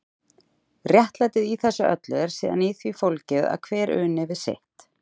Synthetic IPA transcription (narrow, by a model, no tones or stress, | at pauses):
rjɛht̪lajt̪ɪðiθɛsːʏʔœ̰t̪lɛðɛɾ̥siːða̰niθvifowlcɪða̰ðkʰvɛːɾʏ̰ːnɛvɪ̥sḛht̪